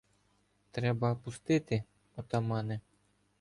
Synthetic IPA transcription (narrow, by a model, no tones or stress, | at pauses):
t̪ɾɛbɐpʊst̪ɪt̪ɪ | ɔt̪ɐmɑnɛ